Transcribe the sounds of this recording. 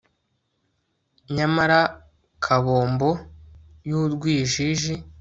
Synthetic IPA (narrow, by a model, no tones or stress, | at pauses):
ɲamaɾa | kʰaβo̞ːmbo̞ | juɾɡwiːʒiʒi